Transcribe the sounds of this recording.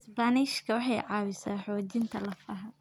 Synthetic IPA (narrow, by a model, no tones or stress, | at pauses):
sbaniʃkʰɐwɑħɑjʕɑːwɪsaːħɔːt͡ʃɪnt̪ʰɐlɐfɐːɦɐ